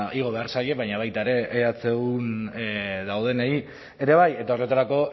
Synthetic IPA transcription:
iɣ̞o̞βe̞aɾsaje̞βaɲaβ̞ajt̪aeɾe̞ʔːat͡se̞ɣun | ðawð̞e̞nei | e̞ɾe̞β̞aje̞t̪ao̞re̞t̪aɾako̞

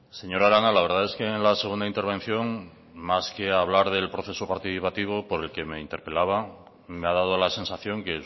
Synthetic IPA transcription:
se̞ɲo̞ɾaɾanalaβ̞e̞ɾð̞ae̞skeːnlase̞ɣ̞und̪aint̪eɾβ̞ẽ̞n̟θjo̞ŋ | maskeaβ̞laɾðe̞lpɾo̞θe̞sopaɾt̪iθipat̪iβ̞opo̞ɾe̞lke̞me̞int̪e̞ɾpe̞laβ̞a | meað̞að̞olase̞nsaθjo̞ŋke

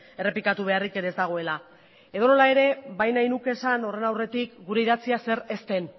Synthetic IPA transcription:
e̞re̞plikat̪uβ̞e̞arike̞ɾe̞zd̪aɣ̞o̞e̞la | e̞ðo̞no̞lae̞ɾe̞βajnajnuke̞sano̞re̞nawre̞t̪ikɡuɾe̞iðat͡siase̞ɾe̞st̪e̞n

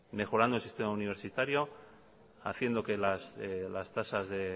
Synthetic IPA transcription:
me̞xo̞ɾand̪olsist̪e̞mauniβ̞e̞ɾsit̪aɾjo̞ | a̰θje̞nd̪oke̞laslast̪asazðe̞

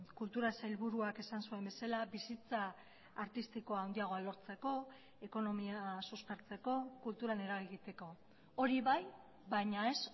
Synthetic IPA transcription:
kult̪uɾasajlβuɾuake̞sansue̞mbe̞salaβisit͡saː | ɾt̪ist̪iko̞awnd̪iaɣ̞o̞alo̞ɾt͡se̞ko̞ | e̞ko̞no̞miasuspe̞ɾt͡se̞ko̞kult̪uɾane̞ɾaɣiɣit̪e̞ko̞ | oɾiβaj | baɲae̞s

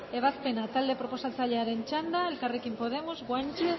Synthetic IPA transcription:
eβ̞aθpenat̪ald̪epɾoposat͡saʎaɾent͡ʃand̪aelkarekimpoð̞emozβwant͡ʃe

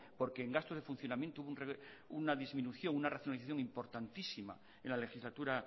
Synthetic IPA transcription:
po̞ɾkeːŋɡast̪ozðe̞fun̟θjonamjent̪ouβunre | unaðizmĩnuθjo̞ŋunaraθjonaliθaθjo̞ŋimpo̞ɾt̪ant̪isima̰ | enlale̞xizlat̪uɾa

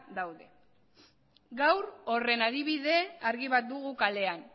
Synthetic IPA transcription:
d̪awðe̞ | ɡawɾo̞re̞naðiβ̞iðe̞aɾɣiβ̞at̪̚d̪uɣukale̞an

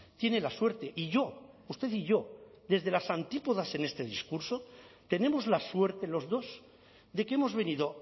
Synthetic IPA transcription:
t̪je̞ne̞laswe̞ɾt̪e̞ʔiʝo̞ | ust̪eθiʝo̞ðe̞zðe̞lasant̪ipoðase̞ne̞st̪e̞ðiskuɾso̞t̪e̞ne̞mozlaswe̞ɾt̪elo̞zðo̞z | ðe̞keemo̞zβe̞niðo

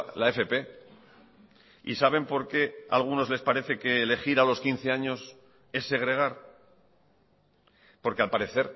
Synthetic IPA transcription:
laefe̞pe̞ | ḭsaβ̞e̞mpo̞ɾke̞a̰lɣ̞uno̞zle̞spaɾe̞θe̞keːle̞xiɾalo̞skinθe̞aɲo̞s | e̞sːe̞ɣ̞ɾe̞ɣ̞aɾ | po̞ɾke̞alpaɾe̞θe̞ɾ

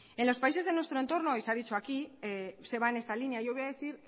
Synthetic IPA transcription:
e̞nlo̞spais̬e̞zð̞e̞nwe̞st̪ɾoe̞nt̪o̞ɾno̞iseaðit͡ʃoakiese̞β̞aene̞st̪alineajʝo̞βojaðe̞θiɾ

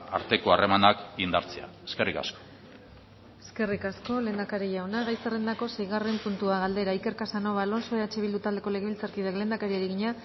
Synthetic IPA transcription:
a̰ɾt̪e̞ko̞aremanakɡind̪aɾt͡sea̰eske̞rika̰sko̥ | eske̞rikasko̞le̞ːnd̪akaɾiʝawnaɣajsere̞nd̪ako̞sejɣ̞are̞mpunt̪uaɣald̪e̞ɾaike̞ɾkasano̞βalo̞nso̞eat͡ʃeβild̪ut̪ald̪e̞kole̞ɣeβilt͡saɾkiðekle̞ːnd̪akaɾiaɾiɣiɲa

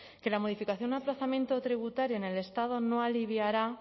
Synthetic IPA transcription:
ke̞lamo̞ð̞ifikaθjo̞nnaplaθamje̞nt̪ot̪ɾiβ̞ut̪aɾjoene̞le̞st̪að̞o̞no̞aliβjaɾa

